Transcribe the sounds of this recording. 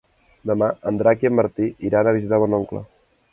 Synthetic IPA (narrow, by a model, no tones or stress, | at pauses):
d̪əmaənd̪ɾakiəmːəɾt̪iiɾanəβ̞izit̪aβɔnoŋklə̰